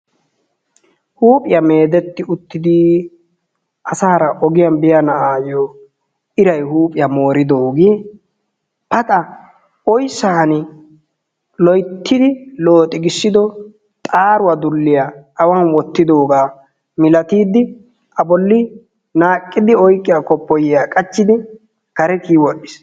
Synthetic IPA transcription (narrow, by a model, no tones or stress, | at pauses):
huːpʼɪjɐme̞ːd̪ɛt̪ːɪʊt̪ːɪd̪i | ʔɐsaːɾɐʔɔɡɪjɐnbɪjɐnɐʔaːjo | ɪɾɐjhuːpʼɪjɐmo̞ːɾɪd̪oːɡiː | pɐt̪ʼɐ | ʔɔjsːahɐnɪ | lɔjt̪ʰːɪd̪ɪloːt̪ʼɪɡɪsːɪd̪ɔ | t̪ʼaːɾʊwɐd̪ʊlːɪjaʔːwanwɔt̪ːɪd̪o̞ːɡaː | mɪlɐt̪iːd̪ːɪ | ʔɐbɔlːɪ | naːkʼːɪd̪ɪɔjkʼːɪjakɔpːɔjjaːkʼɐt͡ʃːɪd̪ɪ | kɐɾɛkiːwɔʔːɪs